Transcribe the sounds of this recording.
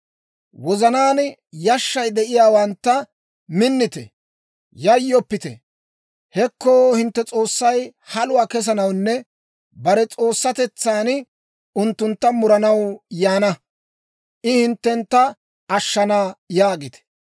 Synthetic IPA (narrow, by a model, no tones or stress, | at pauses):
wɔzɐnaːnjɐʃːɐjd̪ɛʔɪjaːwɐnt̪ːɐ | mɪnːɪt̪ɛ̰ | jɐjːɔpːɪt̪ɛ̰ | hɛkːoːhɪnt̪ːɛt͡sʼo̞ːsːɐjhɐlʊwaːkɛs̬ɐnɐwnːɛ | bɐɾɛt͡sʼo̞ːsːɐt̪ɛt͡sːaːn | ʊnt̪ːʊnt̪ːɐmʊɾɐnɐwjaːnɐ | ʔɪhɪnt̪ːɛnt̪ːɐ | ɐʃːɐnaːjaːɡɪt̪ɛ̥